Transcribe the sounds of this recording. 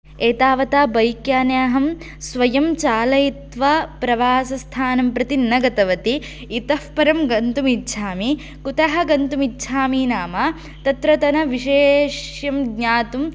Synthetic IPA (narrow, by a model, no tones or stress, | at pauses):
eːt̪aːʋɐt̪aːbɐjkjaːnjaːɦɐm | sʋɐjɐmt͡ʃaːlɐjit̪ʋɐpɾɐʋaːsɐst̪ʰaːnɐmpɾɐt̪inːɐɡɐt̪ɐʋɐt̪iː | t̪ɐfpɐɾɐmɡɐnt̪umitːʃʰaːmi | kut̪ɐɦɐɡɐnt̪umitːʃʰaːminaːmaː | t̪ɐt̪ɾɐt̪ɐnɐʋiʃeːʃjɐmɡɲaːt̪um